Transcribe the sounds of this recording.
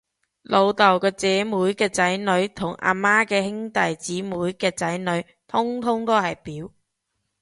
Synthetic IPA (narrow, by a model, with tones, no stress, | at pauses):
lʔo˨˧wt̪ɐ˨˩wkɔː˧t͡sɛː˨˧muː˨˥jkɛː˧t͡sɐ˨˥jnɵ˨˧ɥt̪ʰʊ˨˩ŋʔa̰ː˨˧maː˥kɛː˧hɪ˥ŋt̪ɐ˨jt͡siː˨˥muː˨˧˥jkɛː˧t͡sɐ˨˥jnɵ˨˧ɥ | t̪ʰʊ˥ŋt̪ʰʊ˥ŋt̪o˥hɐ˨˩jpiː˨˥w